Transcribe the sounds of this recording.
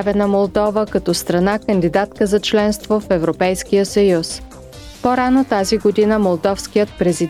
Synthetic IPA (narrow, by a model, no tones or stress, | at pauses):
vɛnəmolˠd̪ɔvəkɐt̪ɔst̪ɾɐnakənd̪id̪at̪kəzɐt͡ʃlɛnst̪vofɛvɾopɛjskijəsəjus | poɾanot̪aziɡod̪inəmolˠd̪ɔfskijət̪̚pɾɛzi